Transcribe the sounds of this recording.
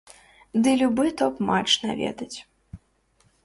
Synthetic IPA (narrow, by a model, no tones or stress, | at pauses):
d̪ɨlʲubɨt̪ɔpmat͡ʂna̰vʲɛ̰d̪ɐt͡sʲ